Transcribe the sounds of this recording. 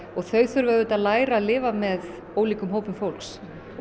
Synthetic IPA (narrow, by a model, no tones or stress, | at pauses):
ɔɣθœɥθʏɾvœðʏt̪aðlaːjɾaːðlɪːvamɛð | oːwliːkʏmɦowpʏmfowlks